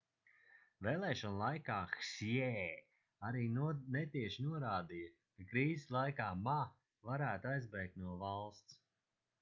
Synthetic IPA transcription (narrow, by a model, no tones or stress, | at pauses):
veːlˠɛːʃɔnlˠajkaːxsɛ | aɾiːnɛt̪iɛʃinuɔɾaːd̪ija | kakɾiːzʲislˠajkaːma | vaɾæːt̪uajzbɛjk̚t̪nuɔvalˠst̪s